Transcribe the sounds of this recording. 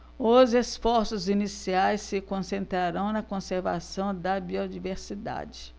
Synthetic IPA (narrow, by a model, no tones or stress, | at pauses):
ʊzesfɔɾsʊzinisiajsːɪkõsẽnt̪ɾaɾɐ̃w̃nɐkõseɾva̰sɐ̃w̃d̪ɐbiod͡ʒiveɾsid̪a̰d͡ʒɪ